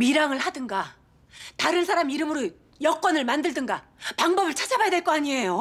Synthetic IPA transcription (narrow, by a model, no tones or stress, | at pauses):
miɾaŋɯɭhadɯŋɡa | taɾɯnsʰaɾamiɾɯmɯɾo | jʌk͈wʌnɯɭmandɯɭdɯŋɡa | paŋbʌbɯɭt͡ɕʰad͡ʑabajadwe̞ɭk͈oaɲie̞jo